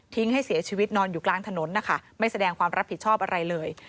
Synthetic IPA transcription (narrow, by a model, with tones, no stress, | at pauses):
t̪ʰi˦˥ŋha˥˩jsi˩˦ɐt͡ɕʰiː˧wi˦˥t̪̚nɔː˧njuː˨˩klaː˧ŋt̪ʰa˧no˩˦nːa˦˥kʰa˦˥˩ma˥˩jsa˧dɛː˧ŋkʰwaː˧mɾa˦˥pʰːi˩t͡ɕʰɔː˥˩p̚ʔa˧ɾa˧jlɤː˧j